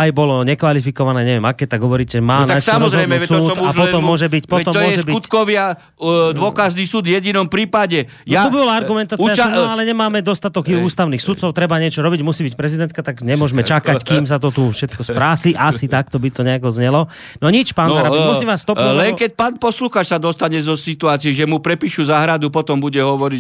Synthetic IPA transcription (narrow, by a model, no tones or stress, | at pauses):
ajbɔlɔɲɛkʋalifikɔʋanɛːɲɛʋɪɛmakɛt̪aɡɦɔʋɔɾiːcɛʒɛmaːnajsamɔɔzɾɦɔd̪misuːt̪uapɔɔmːʊɔʒɛbicpɔt̪ɔmːʊɔʒɛsbiut̪kɔʋɪa | d̪ʋɔkaʒnisuːd̪jɛɟinɔmpɾiːpaɟɛ | jat̪ubibɔlaaɾɡumɛnt̪at͡sɪanɔalɛɲɛmaːmɛd̪ɔst̪at̪ɔɡuuːst̪aʊniːxsut̪t͡sɔʊt̪ɾɛbaɲɪɛt͡ʃɔɾɔbiɟmusiːbic̚pɾɛzid̪ɛnt̪̚kat̪aɡɲɛmʊɔʒmɛt͡ʃakackiːms̬at̪ɔt̪ufʃɛt̪̚kɔspɾaːsiʔasit̪ak̚t̪ɔbit̪ɔɲɛakɔzɲɛlɔ | nɔɲit͡ʃpaːnɾabimusiːmʋaːsːt̪ɔlɛnkɛc̚paːnpɔsluxaːt͡ʃsad̪ɔst̪aɲɛzɔsit̪uaːt͡siɛʒɛmupɾɛpiːʃuzaɦɾad̪upɔt̪ɔmbuɟɛɦɔʋɔɾi